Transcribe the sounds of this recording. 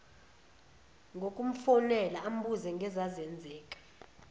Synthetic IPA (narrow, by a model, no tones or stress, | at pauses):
ŋɡʱokʼum̩fɔnɛlaːm̩bʱuzɛŋɡʱɛzazɛnd͡zʱɛːkʼḁ